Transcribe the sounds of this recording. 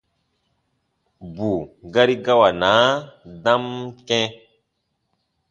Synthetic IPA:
bu˨ɡa˦ɾi˦ɡa˦wa˨na˨˦dã˦mkɛ̃˦

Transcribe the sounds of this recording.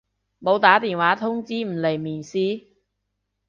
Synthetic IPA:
mo˨˧wt̪aː˨˥t̪iː˨nwaː˨˥t̪ʰʊ˥ŋt͡siː˥m̩˨˩le˨˩jmiː˨˩nsiː˥

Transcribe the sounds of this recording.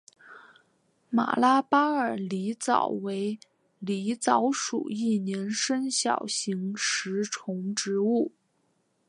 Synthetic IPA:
ma̰˨˩la˥pa˥ə˞˨˩li˧˥t͡sɑ̰˨˩ʊwe˧˥ɪ | li˧˥t͡sɑ˧˥ʊʂṵ˨˩i˥˩njɛ˧˥nʂə˥nɕjɑ̰˨˩ʊɕi˧˥ŋʂɻ̩˧˥ʈ͡ʂʰʊ˧˥ŋʈ͡ʂɻ̩˧˥u˥˩

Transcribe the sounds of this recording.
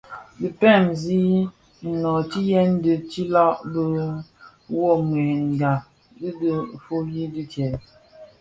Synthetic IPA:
dɨ˨pɛ˦˨mzi˦ | ŋ̩˨nɔ˨t͡ʃi˦jɛ˦n˦dɨ˨t͡ʃi˦la˦ʔbə˦ | wɔ˦˨ŋ˨ɛ˨ŋ̩˨ɡa˨ | dɨ˦də˦fo˦ji˦dɨ˦tɛ˨

